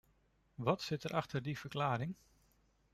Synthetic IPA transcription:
ʋɑtsɪtəɾʔɑχtəɹdiv̥əɹklaːɾɪŋ

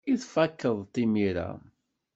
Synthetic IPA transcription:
iθfækːəðˤt̪ːimiɾa̰

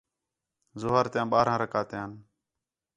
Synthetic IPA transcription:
zʊɦəɾt̪jãːɓaːɾãːɾəkaːt̪ɪjãːn

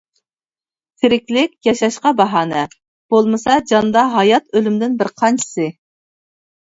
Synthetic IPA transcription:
t̪ʰɪɾɪkʲlɪkʲjɑʃɑʃqɑbɑɦɑːnɛ | b̥olˠmɨsɑd͡ʒɑnd̪ɑɦɑjɑt̪ølymd̪ɪnbɪɾqʰɑnt͡ʃʰɪ̥sɨ

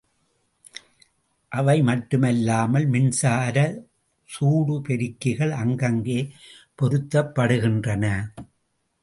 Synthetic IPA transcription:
ʔɐʋɐɪmɐʈːɯmɛlːaːmɐlmɪnsaːɾɐ | suːɽɯpɛɾɪkːɪɣɐɭɐŋɡɐŋɡeː | pɔɾɯt̪ːɐpːɐɽɯɣɪndrɐnɐ

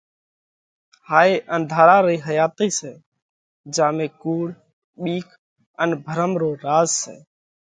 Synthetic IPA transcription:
haːjʔənd̪ʱaːɾaɾəiɦəjaːt̪əisɛː | d͡ʒaːmekuːɽ | ɓiːkʰ | ənbʱəɾəmɾoɾaːd͡ʒsɛ̰ː

